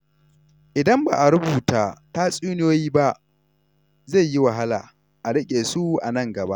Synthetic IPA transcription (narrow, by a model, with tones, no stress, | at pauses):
ʔɪ˨dɐ˦mba̰ː˨ʔa˨ɾʊ˦buː˨taː˦ta˦sʼuː˦n˦oː˦jiː˦ba˦ | ze˦˨jji˦wa˨ɦa˦la̰ː˨ | ʔa˨ɽɐ˦kʲʼeː˨su˦ʔa̰˨nɐ˦˨ŋɡɐ˨ba̰˦ʔ